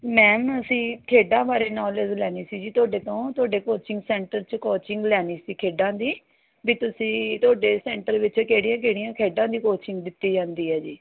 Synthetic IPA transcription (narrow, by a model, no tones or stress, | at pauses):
mɛ̃ːməsĩːkʰeːɖãːbaːɾeːnɔːled͡ʒlɛːniːsiːd͡ʒiːt̪ʊaːɖeːt̪õːt̪ʊaːɖeːkoːt͡ʃɪŋɡsɛːɳʈəɾt͡ʃkoːt͡ʃɪŋɡlɛːniːsiːkʰeːɖãːd̪iː | biːt̪ʊsĩːt̪ʊaːɖeːsɛːɳʈəɾʋɪt͡ʃkeːɽɪjãːk̬eːɽɪjãːkʰeːɖãːd̪iːkoːt͡ʃɪŋɡd̪ɪt̪ːiːd͡ʒãːnd̪iːɦɛːd͡ʒiː